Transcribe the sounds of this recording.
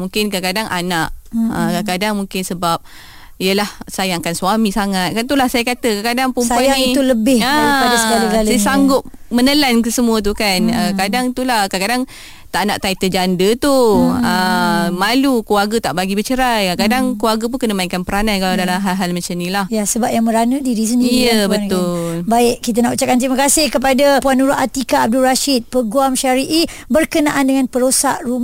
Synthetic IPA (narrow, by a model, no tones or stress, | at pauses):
muŋkɪnkakadaŋʔanaʔəkakadaŋmuŋkɪnsəbap̚ | ijəlahsajakansuamisaŋat̪̚kant̪ulahsajakat̪əkakadaŋpumsait̪uləbɪəaaskaikasajasaŋɡʊt̪̚ | mənəlankəsəmuət̪̬ukanəkadaŋt̪ulahkakadaŋ | t̪aʔanaʔt̪ait̪əd͡ʒandət̪uəmalukwaɡət̪aʔbaɡibət͡ʃəɾajakadaŋkluarɡəp̬unkənəmaiŋkanpəɾanankaladalamɦaɦalmat͡ʃamnilahjasəbap̚jaŋmə̃ɾanədiɾis̬əndiijəbət̪ʊlbaɪʔkit̪̬anaʔut͡ʃaʔkant̪ɾimakasɪhkəp̬adapuanːuɾʊat̪ikaːb̚dulɾaʃit̪̚pəɡuamʃaɾiʔi | bərkənaʔandəŋanpəɾosaʔrum